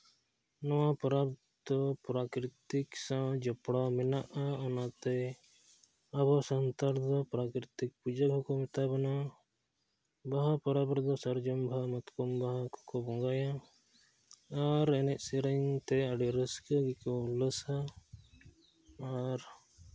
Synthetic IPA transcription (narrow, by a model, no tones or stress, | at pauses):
nɔwapɔɾab | d̪ɔpɾakɾit̪iksãwd͡ʒɔpɽaminaʔaɔnat̪ɛ | aβɔsɔnt̪aɾd̪ɔpɾakɾit̪ik̚pud͡ʒaɡʱɔkɔmit̪abɔna | baɦapɔɾabɾd̪ɔsəɾd͡ʒɔmbʱamɔt̪kɔmbaɦakʰɔ̥kɔbɔ̃ŋɡajã | ɾɛnɛʔsiɾəɲt̪ɛaɖiɾəskəɡikɔləsa | ɾ